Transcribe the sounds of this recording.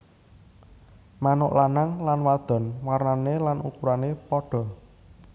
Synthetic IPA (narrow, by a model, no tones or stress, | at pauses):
manʊʔlanaŋlanwad̪̥ɔ̤nwarnanelanṵkuɾanepɔɖ̥ɔ̤